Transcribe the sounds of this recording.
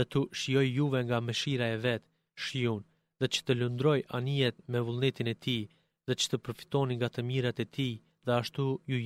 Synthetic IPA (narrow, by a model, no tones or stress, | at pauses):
ðɛt̪uʃijɔjːuvɛŋɡaməʃiɾaɛvɛt̪ | ʃjun | ðɛt͡ʃə̥t̪əlund̪ɾɔjaniɛt̪mɛvulˠnɛt̪inɛt̪ʰi | ðɛt͡ʃə̥t̪əpəɾfi̥t̪ɔniŋɡat̪əmiɾat̪ɛt̪ʰi | ðɛaʃt̪uju